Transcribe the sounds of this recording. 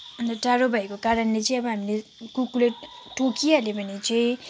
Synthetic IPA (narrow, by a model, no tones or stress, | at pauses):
ʌnd̪ʌʈaɾobʱajkokaɾʌnlet͡sʌ̃ĩʌbʌɦamile | kukule | ʈokijalebʱʌnit͡sʌĩ